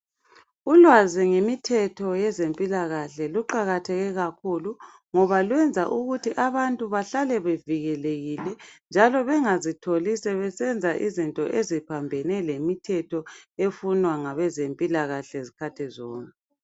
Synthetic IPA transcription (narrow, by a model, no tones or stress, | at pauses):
ulwaziŋemitʰɛtʰɔjɛzempʼilaɣaɬɛluǃaɣatʰɛɣɛɣakʰulu | ŋɔβalwɛnd͡zʱaʔuɣutʰiʔaβantʼuβaɬalɛβeviɣɛleɣilɛnd͡ʒʱalɔβɛŋazitʰolisɛβɛsɛnd͡zʱaʔizintʼɔ̰ʔezipʰambʱɛnɛlemitʰɛtʰɔefunwaŋaβɛzempʼilaɣaɬɛzikʰatʰɛzɔːŋɛ